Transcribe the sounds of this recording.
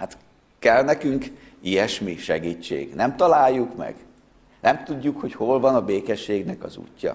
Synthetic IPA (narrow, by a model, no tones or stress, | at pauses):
hat̪ | kɛlnɛkyŋk | ijɛʃmiʃɛɡiːt͡ʃːḛːɡnɛmt̪ɒlaːjːukmɛ̰ɡ | nʔɛmt̪uɟːukho̞cho̞lvɒnɒbeːkɛʃːeːɡnɛkɒzṵːcːɒ̰